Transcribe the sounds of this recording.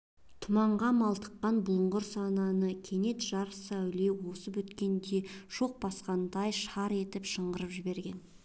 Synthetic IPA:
t̪ʰʊmɑɴʁɑmɑlˠt̪ə̥qːɑnbʊlˠəɴʁəɾsɑnɑnəkʲʰe̞ne̞t̪ʒɑɾsæwle̞wo̞səpwɵt̪kʲe̞nd̪e̞ʒ̥o̞q̚bɑsqɑnd̪ɑjʃɑɾe̞t̪ɪpʃəɴʁəɾəpʒɪbe̞ɾɡʲe̞n

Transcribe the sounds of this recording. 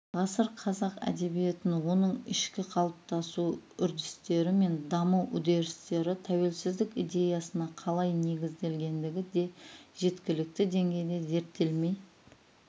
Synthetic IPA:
ʁɑsəɾqʰɑzɑqæ̰d̪e̞bije̞t̪ɪnwo̞nəɴɪʃkʲɪqʰɑlˠəp̚t̪ɑsuʏɾd̪ɪst̪e̞ɾɪme̞nd̪ɑməwʔʊd̪e̞ɾɪst̪e̞ɾɪt̪ʰæwe̞lsɪzd̪ɪkʲijd̪e̞jɑsənɑqʰɑlˠɑjne̞ɡʲɪzd̪e̞lɡʲe̞nd̪ɪɡʲɪd̪e̞ʒ̥e̞t̪kʲɪlɪk̚t̪ɪd̪e̞ŋɡʲe̞jd̪e̞ze̞ɾt̪ːe̞lme̞j

